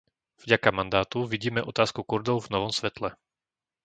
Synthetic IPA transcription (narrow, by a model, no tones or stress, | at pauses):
v̥ɟakamand̪aːt̪uʋiɟiːmɛʔɔt̪aːskukuɾd̪ɔʊvnɔʋɔmsʋɛt̪lɛ